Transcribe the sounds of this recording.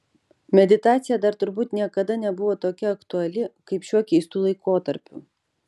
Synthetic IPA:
mʲɛd̪ʲɪt̪ɑːt̪sʲɪjɛd̪ɐɾt̪ʊɾbuːt̪nʲiɛkɐd̪ɐnʲɛbʊʋoːt̪oːkʲɛɐkt̪ʊɐlʲɪkɐɪpʃʲuɔkʲɛɪst̪uːlˠɐɪkoːt̪ɐɾʲpʲʊ̰

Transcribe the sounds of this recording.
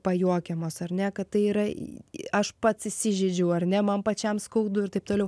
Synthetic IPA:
pɐjuɔkʲɛmoːsɐrʲnʲɛkɐt̪t̪ɐɪiːɾɐ | ɐʃpɐt̪sʲɪsʲɪʒʲɛd͡ʒʲɛʊɐɾʲnʲɛmɐmpɐt͡ʃʲɛmskɐʊd̪ʊɪɾt̪ɐɪp̚t̪oːlʲɛʊ

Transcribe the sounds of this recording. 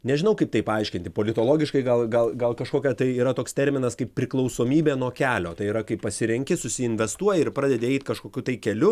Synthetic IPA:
nʲɛʒʲɪnɐʊkɐɪp̚t̪ɐɪpɐɐɪʃʲkʲɪnʲt̪ʲɪpoːlʲɪt̪oːlˠoːɡʲɪʃkɐɪɡɐlˠɡɐlˠɡɐlˠkɐʃkoːkʲɛt̪ɐɪiːɾɐt̪oːkst̪ʲɛɾʲmʲɪnɐskɐɪppʲpʲɾʲɪklˠɐʊsoːmʲiːbʲeːnuɔkʲæːlʲoːt̪ɐɪiɾɐkɐɪppɐsʲɪɾʲɛŋʲkʲɪsʊsʲɪɪnʲʋʲɛst̪uɔjɛɪrpɾɑːd̪ʲɛdʲeːɛɪt̪ʲkɐʃkoːkʲuːt̪ɐɪkʲɛlʲʊ

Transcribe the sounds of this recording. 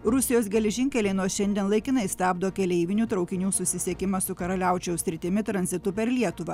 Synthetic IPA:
ɾʊsʲɪjoːs̬ɡʲɛlʲɛʒʲɪŋʲkʲɛlʲɛɪnuɔsʃʲɛnd̪ʲiɛnlˠɐɪkʲɪnɐɪsʲt̪ʲæːbd̪oːkʲɛlʲɛɪʋʲɪnʲuːt̪ɾɒʊkʲɪnʲuːsʊsʲɪsʲiɛkʲɪmɐsʊkɐɾɐlʲæˑʊt͡ʃʲɛʊsʲɾʲɪt̪ʲɪmʲɪt̪ɾɐnʲzʲɪt̪ʊpʲɛɾlʲiɛt̪ʊʋɐ

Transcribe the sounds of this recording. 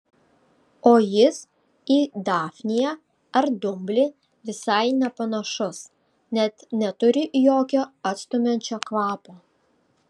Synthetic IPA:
oːjɪs | iːd̪ɑːfʲnʲɪjɛ | ɐɾd̪ʊmʲbʲlʲɪ | ʋʲɪsɐɪnʲɛpɐnɐʃʊs | nʲɛt̪nʲɛt̪ʊɾʲɪjoːkʲoːɐt̪st̪ʊmʲɛnʲt͡ʃʲokʋɑːpoː

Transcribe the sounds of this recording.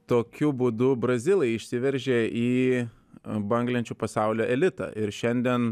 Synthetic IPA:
t̪oːkʲʊbuːd̪ʊbɾɐzʲɪlʲˠɛɪɪʃʲsʲɪʋʲɛɾʲʒʲeːʔiː | bɐŋɡlʲɛnʲt͡ʃʲuːpɐsɑˑʊlʲoːʔɛlʲɪt̪ɐ̰ʔɪɾʃʲɛnʲd̪ʲiɛn

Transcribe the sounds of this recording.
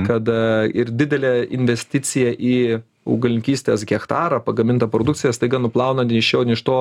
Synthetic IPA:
kɐt̪ɪɾd̪ʲɪd̪ʲɛlʲeːɪ̰nʲʋʲɛsʲt̪ʲɪt̪t͡s̪ʲɪjɛʔiː | ɐ̰ʊɡɐlʲɪŋʲkʲiːsʲt̪ʲeːsɡʲɛkt̪ɑːɾɐpɐɡɐmʲɪnt̪ɐpɾoːd̪ʊktt͡sʲɪjɛst̪ɐɪɡɐnʊplˠɑʊnɐnt̪ʲɪʃʲoːnʲɪʃt̪oː

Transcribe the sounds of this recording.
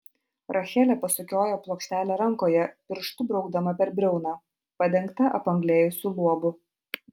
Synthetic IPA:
ɾʔɐxʲɛːlʲɛːpɐsʊkʲoːjoːplˠoːksʲt̪ʲæːlʲeɾɐŋˑkoːjɛpʲɪɾʃt̪ʊbɾɒʊɡd̪ɐmɐpʲɛɾbʲɾʲɛʊnɑː | pɐd̪ʲɛŋˑkt̪ɐʔɐ̰pɐŋɡlʲeːjʊsʲulˠuɔbʊ

